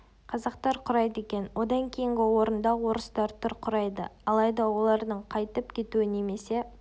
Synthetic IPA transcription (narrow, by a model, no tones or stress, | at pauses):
qʰɑzɑq̚t̪ɑɾqʰʊɾɑjt̪əe̞kʲe̞nwo̞d̪ɑŋkʲʰe̞jɪŋɡʲɪwo̞ɾənd̪ɑwo̞ɾəst̪ɑɾt̪ʰʊɾqʰʊɾɑjd̪ə̰ɑlˠɑjd̪ɑwo̞lˠɑɾd̪əɴqʰɑjt̪əpkʲʰe̞t̪uɪne̞me̞se̞